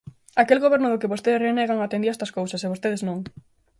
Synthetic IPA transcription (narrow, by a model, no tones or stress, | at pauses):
akelɣoβeɾnʊðʊkɪβost̪eðɪsreneɣaŋat̪ẽnd̪iest̪ɐskowsɐseβost̪eðɪznõŋ